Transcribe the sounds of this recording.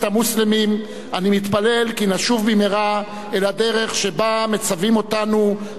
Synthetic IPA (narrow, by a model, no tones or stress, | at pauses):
tamuslemim | animit̪pale̞lkinaʃuvbimeʁa | elad̪e̞ʁe̞χʃe̞bame̞t͡savimo̞t̪anu